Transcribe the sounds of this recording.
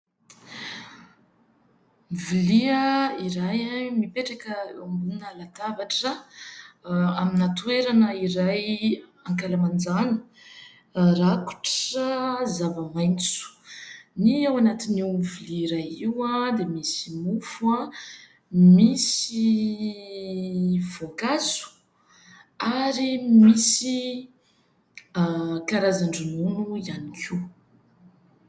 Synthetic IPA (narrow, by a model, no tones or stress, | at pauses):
viliəiɾajmipeʈ͡ʂakəmbunnalat̪avaʈ͡ʂə | aminat̪weɾanəiɾajaŋkalamand͡zanə̥ | raku̥ʈ͡ʂəzavəmajnt͡su̥niawanat̪iniwviliɾaiwad̪emisimufua | misi | v̥okasu̥ | aɾimisi | kaɾazaɳɖ͡ʐununuianikʲʰi